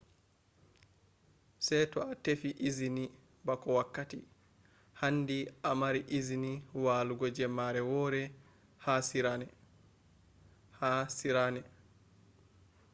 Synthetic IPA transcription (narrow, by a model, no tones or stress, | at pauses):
sɛjtɔatefiʔizini | bakɔwakːati | handiʔamaɾiʔiziniwaːluɡɔd͡ʒɛmːaɾɛwɔːɾɛ | hasiɾanɛ | hasiɾanɛ